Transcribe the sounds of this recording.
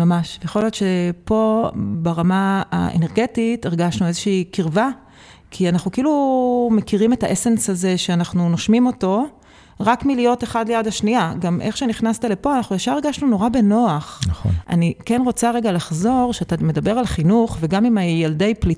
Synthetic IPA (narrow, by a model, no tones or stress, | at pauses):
mamaʃvejaχo̞ljo̞tʃepo̞baʁamaa̰ḛne̞ʁɡe̞titeʁɡaʃnuezeʃiːkiʁva | kʰianaχnukeilume̞kiʁime̞taʔesensaze̞ʃeanaχnunoʃmimo̞to̞ | ʁakmilijo̞teχadlejadaʃniaɡamʔe̞χʃeniχnast̪ale̞po̞anaχnujaʃaeʁɡaʃnuno̞ʁabe̞no̞aχnχo̰ʔa̰nikenʁo̞t͡saʁe̞ɡalaχzo̞ʁʃeatame̞dabe̞ʁalχinuχve̞ɡamimajelde̞jpli